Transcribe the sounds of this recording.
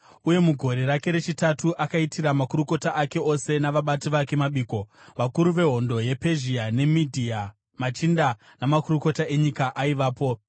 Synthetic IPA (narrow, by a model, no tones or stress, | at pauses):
uje̞muɡʱo̞ɾe̞ɾake̞ɾe̞t͡ʃitatuʔakaitʰiɾamakuɾuko̞taʔake̞o̞se̞naʋaɓatiʋake̞maɓiːko̞ʋakuɾuʋe̞ɦo̞ndo̞je̞pe̞ʒiane̞midʱia | mat͡ʃinda | namakuruko̞tae̞ɲikaʔaiʋaːpo̞